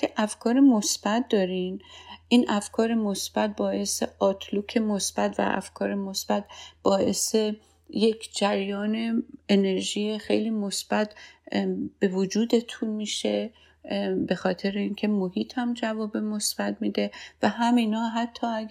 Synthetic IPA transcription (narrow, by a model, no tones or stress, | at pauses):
eʔæfkʰɒːɾemosb̥æt̪̚d̪ɒːɾinʔiːnʔæfkʰɒːɾemosb̥æt̪̚bɒːʔe̞sḛɒːt̪ʰlokʰe̞mosb̥æt̪væ̰ʔæ̰fkʰɒːɾemosb̥æt̪̚b̥ɒːʔe̞̰se | jecʰd͡ʒæɾjɒːne̞ene̞ɾʒiːexe̞̰jliːmosb̥æt̪ | b̥e̞vod͡ʒuːd̪e̞t̪ʰunmiːʃe | be̞xɒːt̪ʰe̞ɾeiːncʰemohiːt̪ʰhæmd͡ʒævɒːbemosb̥æt̪̚miːd̪e̞væɦæmiːnɒːɦæt̪ʰːɒːæ